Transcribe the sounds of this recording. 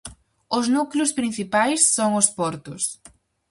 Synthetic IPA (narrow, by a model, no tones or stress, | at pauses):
ʊznuklʊspɾinθipajsːoŋʊspɔɾt̪ʊs